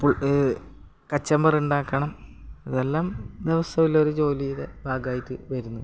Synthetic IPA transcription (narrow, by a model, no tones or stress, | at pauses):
puɭ | kɐt͡ɕːɐmbɐruɳɖaːkːɐɳɐmiðe̞lːaːmd̪iʋɐsʰɐʋiloɾut͡ɕo̞ːlijiðebʱaːɡaːjitːɨʋɐɾunːu